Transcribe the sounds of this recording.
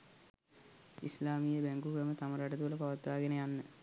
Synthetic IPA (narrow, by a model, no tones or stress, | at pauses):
islaːmijəbæŋɡukɾəmət̪aməɾaʈət̪uləpaʋat̪ʋaːɡenəjanːə